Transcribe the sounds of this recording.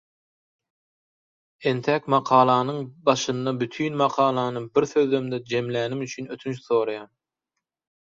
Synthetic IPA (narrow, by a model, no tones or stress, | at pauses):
e̞nt̪ʰækmɑqʰɑːlˠɑnɯɴbɑʃɯnd̪ɑbyt̪ʰyːnmɑqʰɑːlˠɑːnɯbiɾθø̞ðːømd̪ed͡ʒe̞mlæːnimyt͡ʃʰynøt̪ʰynt͡ʃθo̞ːɾɑjɑːn